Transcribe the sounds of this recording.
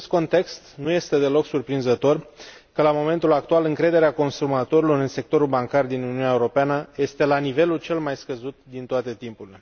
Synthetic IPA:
est̪̚ko̞nt̪e̞kst̪nuje̞st̪e̞d̪e̞lo̞ksurpɾinzət̪o̞r | kəlamo̞me̞nt̪ulak̚t̪ualɨŋkɾe̞d̪e̞ɾeako̞nsumat̪o̞ɾilo̞ɾɨnse̞k̚t̪o̞ɾulbaŋkard̪inuniunʲaeuɾo̞peanəje̞st̪e̞lanive̞lult͡ʃe̞lmajskəzut̪̚d̪int̪oat̪e̞t̪impuɾile̞

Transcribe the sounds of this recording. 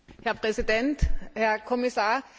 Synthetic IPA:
hɛɐpʁ̥ɛsid̥ɛnthɛɐkʰɔmisaːɐ

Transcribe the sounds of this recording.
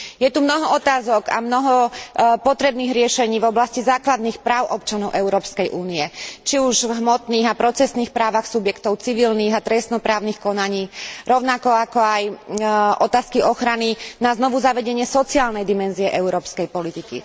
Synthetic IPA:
jɛt̪umnɔɦɔɔt̪aːzɔɡa̰mnɔɦɔpɔt̪ɾɛbniːɣɾɪɛʃɛɲiːvɔblascizaːklad̪niːxpɾaːʊʔɔp̚t͡ʃanɔʊʔɛʊɾɔːpskɛjʔuːniɛt͡ʃiuʒvɦmɔt̪niːɣapɾɔt͡sɛsniːxpɾaːʋaxsubjɛkt̪ɔʊt͡siʋilniːɣat̪ɾɛst̪nɔpɾaːʊniːxkɔnaɲiːɾɔʊnakɔakɔajʔɔt̪aːskiʔɔxɾaninaznɔʋuzaʋɛɟɛɲɪɛsɔt͡siaːlnɛjd̪imɛnziɛʔɛuɾɔːpskɛjpɔlit̪ikḭ

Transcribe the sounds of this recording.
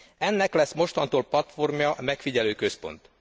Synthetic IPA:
ɛnːɛklɛsːmo̞ʃt̪ɒnt̪oːlpɒt̪fo̞rmjɒʔmɛkfiɟɛløːkø̞spo̞̰nt̪

